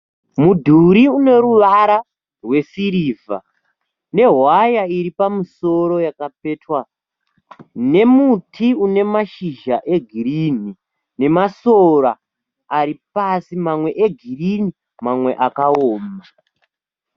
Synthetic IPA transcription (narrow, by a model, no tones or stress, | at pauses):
mudʱuɾiune̞ɾuʋaɾa | rwe̞siɾiːvʱa̰ | ne̞ɦwajaiɾipamuso̞ɾo̞jakap̚etwa | ne̞mutʰiune̞maʃiʒaʔe̞ɡʱiɾin̤i | ne̞maso̞raː | ɾipasimamwe̞ʔeɡʱirini | mamwe̞ʔakaoːma